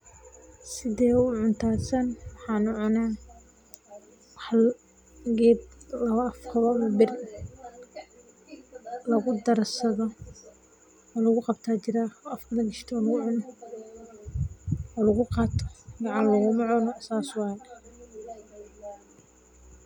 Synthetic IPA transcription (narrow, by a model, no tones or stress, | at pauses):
sɪðɛːʊʕʊnt̪ʰaːsɐnwɑħɑːnʊʕʊnaː | wɑħ | ɡɛːblɐβɐʔɐfkʰɐβɐmɐbɪr | lɐɣʊd̪ɐrsɐðɔ | ɔːlɐɣʊqɑbt̪ʰaːt͡ʃɪɾaːɐfkʰɐlɐɡɪʃt̪ʰɔːlɐɣʊʕʊnɔ | ɔːlɐɣʊqɑːt̪ʰɔ̥mɑʕɑːnlɐɣʊmɐʕɔnɔsaːswɑːjn